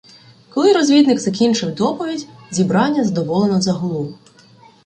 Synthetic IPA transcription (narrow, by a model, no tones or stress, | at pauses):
kɔlˠɪɾɔzʲʋʲid̪nɪkzɐkʲint͡ʃɪwd̪ɔpɔʋʲidʲzʲibɾɑnʲːɐzd̪ɔʋɔlˠenɔzɐɦɔlˠu